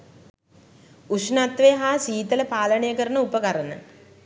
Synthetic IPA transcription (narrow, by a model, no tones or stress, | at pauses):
usnat̪ʋeɦaːsiːt̪ələpaːlənejəkəɾənəupəkaɾənə